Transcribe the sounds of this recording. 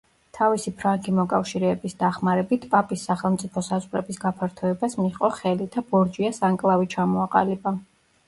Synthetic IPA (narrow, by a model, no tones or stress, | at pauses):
t̪ʰavisipʰɾaŋɡimɔkʼafʃiɾɛːbisd̪aχmaɾɛbit̪ʰpʼapʼisːaχɛlˠmt̪sʼipʰɔsazʼqʼɾɛbisɡapʰaɾt̪ʰɔɛbasmiqʼɔχɛlid̪̥abɔɾd͡ʒiasaŋkʼlˠavit͡ʃʰamɔaqʼa̰liba